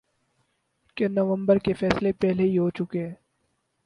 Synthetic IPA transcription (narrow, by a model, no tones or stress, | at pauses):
kenɐʋə̃mbəɾkefɛːslepɛɦleɦiɦot͡ʃʊkeɦɛ̃ː